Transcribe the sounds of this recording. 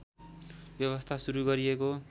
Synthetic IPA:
bjʌβʌst̪ʰasuɾuɡʌɾieko

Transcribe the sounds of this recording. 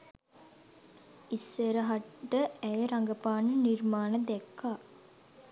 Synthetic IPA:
isːeɾəɦaʈːəæjəɾaŋɡəpaːnənirmaːnəd̪ɛkːaː

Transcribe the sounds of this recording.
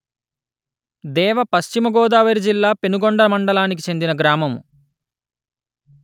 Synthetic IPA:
d̪ɛːʋɐpɐʃt͡ʃimɐɡɔːd̪aːʋɐɾid͡ʒilːaːpenuɡɔɳɖɐmɐɳɖɐlaːnik̬it͡ʃe̞nd̪inɐɡɾaːmɐmu

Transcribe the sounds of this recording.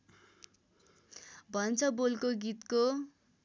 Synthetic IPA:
bʱʌnt͡sʰʌbolkoɡit̪ko

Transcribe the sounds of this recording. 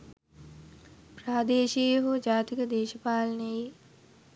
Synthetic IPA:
praːd̪eːʃijəɦud͡ʒaːt̪ikəd̪eːʃəpaːlɐneji

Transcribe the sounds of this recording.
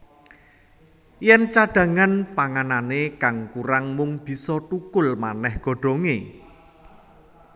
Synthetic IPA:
jɛnt͡ʃaɖ̥ä̤ŋanpaŋananekaŋkuɾaŋmʊŋb̥i̤sɔt̪ukʊlmanɛhɡ̥ɔ̤ɖ̥o̤ŋḛ

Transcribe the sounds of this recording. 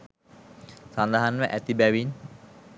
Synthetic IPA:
sand̪aɦanʋəʔæt̪ibæʋin

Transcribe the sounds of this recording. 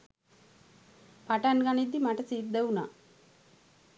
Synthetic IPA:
paʈanɡanid̪ːimaʈəsiːt̪d̪euna̰ː

